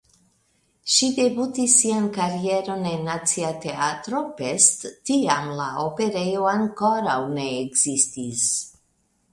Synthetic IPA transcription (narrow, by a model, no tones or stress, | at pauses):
ʃid̪ebut̪isːiankaɾieɾo̞nenat͡siat̪eat̪ɾopest̪ːiamlaope̞ɾejoaŋkoɾawneːɡzist̪is